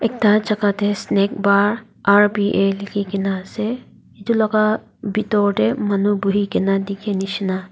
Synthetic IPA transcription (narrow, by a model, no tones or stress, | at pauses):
ek̚t̪at͡ʃɐkat̪esneːk̚baːɾ | aːɾbiːʔeːlkikinase | it̪ulɐka | bit̪oːʈemɐnubuɦikinad̪ikʰeniʃna